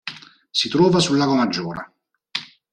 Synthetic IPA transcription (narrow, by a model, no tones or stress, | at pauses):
sit̪ɾɔːvasulːaːɡwamad͡ʒːɔːɾa̰